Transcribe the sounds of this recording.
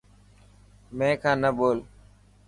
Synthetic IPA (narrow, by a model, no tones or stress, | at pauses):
mẽːkʰãːnəɓoːl